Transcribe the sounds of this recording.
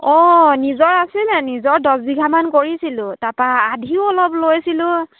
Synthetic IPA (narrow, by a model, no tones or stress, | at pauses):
ɔnizɔɹasilnɛnizɔɹdɔsbiɡʱamankoɹisilʊ̃tapaːdʱiʊɔlɔblojsilʊ̃